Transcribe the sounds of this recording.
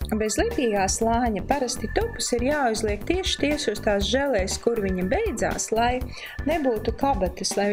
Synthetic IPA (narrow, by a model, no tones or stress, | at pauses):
bezlˠipʲiːɡaːslˠɑːɲɐpaɾast̪it̪upsiɾjaːajzlˠiɛk̚t̪iɛʃi̥t̪iɛsust̪aːsʒɛlˠɛːjskuɾviɲibɛjd̪za̰ːslˠaj | nebuːt̪ukabat̪islˠaj